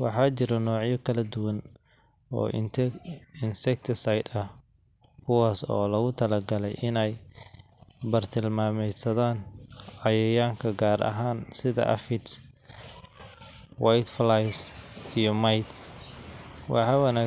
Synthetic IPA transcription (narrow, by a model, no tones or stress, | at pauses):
wɑħɑːt͡ʃɪɾɐnɔːʕjɐkʰɐlɐd̪ʊwɐn | ɔ̰ː | ɪnsɛk̚t̪ʰɪsajd̪ɐh | kʰʊwaːsɔːlɐɣʊt̪ʰɐlɐɡɐlɛ̰jʔɪnɛj | bɐrt̪ʰɪlmaːmɛjsɐðaːnʕɑjɛjaːŋkʰɐɡaːɾʔɐ̰ɦaːnsɪðɐ̰ʔɐ̰fɪt̪s | wajt̪flajsijɔmajt̪ | wʔɑ̰ħɑːwɐnaː